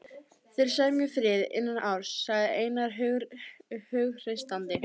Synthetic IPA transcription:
θɪɾ̥saɣðɪmjœfɾɪːðɪ̰nːanʔawɾ̥sːaɣðɪeːjnaɾ | hœɣr̥ɪst̪ant̪ɪ

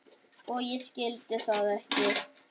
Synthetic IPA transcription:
ɔɣjɛscɪlt̪ɪθaðɛhcɪ̥

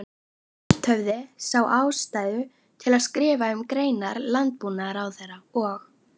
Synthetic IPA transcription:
t̪ʰœvðɪsaːwʔaːwst̪aːjðʏ | t̪ʰɪlaðskɾɪːvaʏmkɾeːjnaɾlant̪̚puːnaɾawθɛrːaɔx

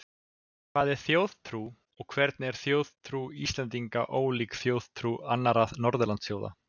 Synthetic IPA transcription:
kʰvaːðɪ̥θjoːwð̥t̪ʰɾuː | ɔɣkʰvɛɾt̪̚nɛɾ̥θjoːwð̥t̪ʰɾuist̪lɛnt̪iŋka̰ʔoːwliːkθjowð̥t̪ʰɾuanːaɾaðnɔɾðʏlant̪sjoːwða̰

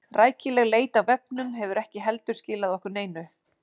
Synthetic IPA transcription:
raːjcɪlɛɣleːjt̪awvɛp̚nʏmɦɛvʏɾɛhcɪɦɛlt̪ʏɾ̥scɪːlaðɔhkʏɾneːjnʏ

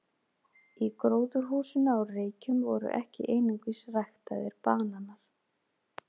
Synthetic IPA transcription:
ikɾoːwðʏɾ̥ɦuːsɪnawreːjcʏmvɔɾʏ̰ʔɛ̰hcɪ̰ʔeːjnuŋkvisrajxt̪a̰ðɪɾ̥paːnanaɾ̥

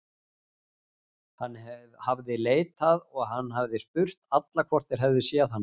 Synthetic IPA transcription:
hanː | havðɪleːjt̪aðɔɣɦanːɦavðɪspʏr̥t̪at̪lakʰvɔr̥t̪ɪɾ̥ɦɛvðɪsjɛaðhanː

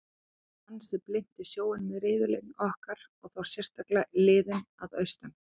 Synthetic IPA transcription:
hanːsɛplɪn̥t̪ɪsjoːwɪnmɪðɾɪːvɪlejnɔhkaɾɔɣθaw̥sjɛr̥t̪aklalɪːðɪnaðœɥst̪an

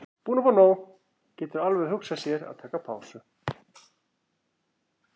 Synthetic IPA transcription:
puːnɔfɔnoːw | cɛːt̪ʏɾalvɛðɦʏksasjɛɾa̰ðt̪ʰɛːkapʰaːwsʏ

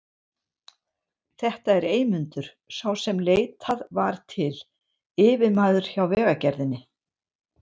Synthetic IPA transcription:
θɛht̪aɛɾeːjmʏnt̪ʏɾ̥ | sawsɛmleːjt̪ʰaðvaɾ̥t̪ʰɪl | ɪːvɪmaːðʏɾ̥çawvɛːɣacɛɾðɪnːɪ

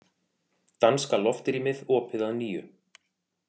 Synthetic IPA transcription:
t̪anskalɔft̪ɾimɪðɔːpʰɪðaðniːjʏ̰

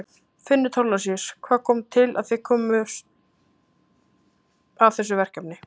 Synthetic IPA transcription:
fɪnːʏt̪ʰɔwlasjɛɾ̥kʰvaːðkʰɔːmt̪ʰɪla̰ðθekʰɔːmʏs | avθɛs̬ʏvɛr̥kapnɪ

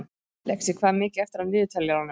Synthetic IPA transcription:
lɛksɪkʰvaːðmɪːcɪɛft̪ɪɾanvɪːðɪt̪ʰɛljaɾawnɪ

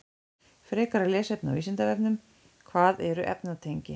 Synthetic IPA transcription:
fɾɛːkaɾalɛːsɛp̚na̰viːsɪnt̪avɛpnʏm | kʰvaːðɛɾʏʔɛ̰pnat̪ʰejɲcɪ

